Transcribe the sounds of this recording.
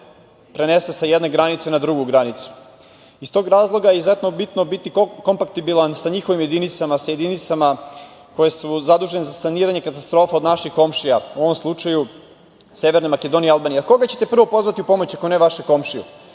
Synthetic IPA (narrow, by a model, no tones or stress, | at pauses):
pɾene̞se̞sajed̪ne̞ɡɾanit̪senad̪ɾuɡuɡɾanit̪su̥ | ist̪o̞ɡɾaːzlˠo̞ɡajeizzet̪no̞bit̪no̞bit̪iko̞mpakt̪ibilansaɲixoʋimje̞d̪init̪samasaje̞d̪init̪sama | ko̞je̞suzad̪uːʒenezasaniːɾaɲe̞kat̪ast̪ɾofao̞d̪naʃixko̞mʃijauo̞ʋo̞mslˠut͡ʃaju | se̞ʋeɾnemake̞d̪o̞nialˠbaːnijako̞ɡat͡ɕe̞t̪e̞pr̩ʋopo̞zʋat̪iupo̞mot͡ɕakoneʋaʃeko̞mʃiṵ